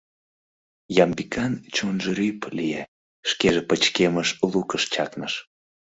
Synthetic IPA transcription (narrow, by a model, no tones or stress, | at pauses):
jɑmbikɑnt͡ɕonʒeɾyplije | ʃkeʒepət͡ɕkeməʃlukəʃt͡ɕɑknəʃ